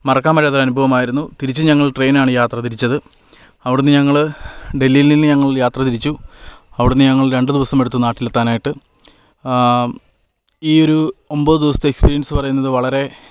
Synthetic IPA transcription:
mɐrɐkːaːmɐɾeːt̪rɐnubʱɐʋɐmaːjiɾunːut̪iɾit͡ɕːɨɲɐŋːɐɭʈre̞jːnaːɳɨjaːt̪rɐt̪̬iɾit͡ɕːɐðɨ | ɐʋiɽunːɨɲɐŋːɐɭɖe̞lːijililːɨɲɐŋːɐɭjaːt̪rɐt̪iɾit͡ɕːuɐʋiɽunːɨɲɐŋːɐɭɾe̞ɳɖɨd̪iʋɐsɐme̞ɽut̪ːunːaːʈːilet̪ːaːnaːjiʈːɨ | iːo̞ɾuomboːðɨd̪iʋɐsɐ̥t̪ekspiːɾijɐnsɨpɐrɐjunːɐðɨʋɐɭɐɾe̞

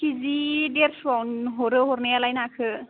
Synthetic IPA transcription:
kizideɾswawnɦɔɾɯɦɔɾnajalajnakʰɯ

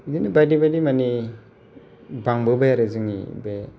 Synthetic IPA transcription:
idinɯbadibadimani | baŋbɯbajaɾɯzɯŋḭbe

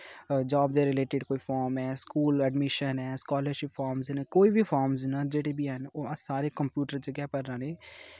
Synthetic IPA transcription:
d͡ʒaːbd̪eːɾɪleːʈɪɖkoːiːfʰɔːɾmɛːskuːlɛɖmɪʃənɛːskɔːləɾʃɪpʰːɔːɾmznekoːiːbʱifʰɔːɾmznad͡ʒeːɽeːbiːɦɛnosaːɾeːkəmpjuːʈəɾt͡ʃəɡɛːpəɾːãːneː

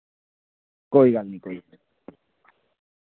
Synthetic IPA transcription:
kojɣalnikoj

